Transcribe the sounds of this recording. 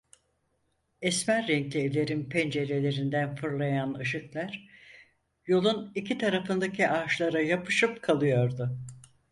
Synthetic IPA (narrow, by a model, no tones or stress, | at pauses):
ɛsmæɾːɛɲclʲievlʲe̞ɾinpʰɛnd͡ʒe̞ɾe̞lʲe̞ɾind̪ænfɯɾlˠajanɯʃɯklˠæɾ̥ | jo̞lˠunicʰit̪ʰaɾafɯnd̪acʰiʔaʃlˠaɾajapʰɯʃɯpkʰalˠɯjo̞ɾd̪ʊ